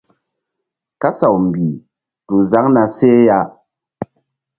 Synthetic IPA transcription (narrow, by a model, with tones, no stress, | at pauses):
ka˦sa˨wm̩˨bi˨ | tu˨za˨˦ŋna˧se˦ja˦